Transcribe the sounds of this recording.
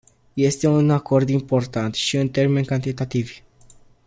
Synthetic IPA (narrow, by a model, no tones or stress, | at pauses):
je̞st̪e̞unako̞rd̪impo̞rt̪ant̪ʃiɨnt̪e̞rme̞nʲkant̪it̪at̪ivʲ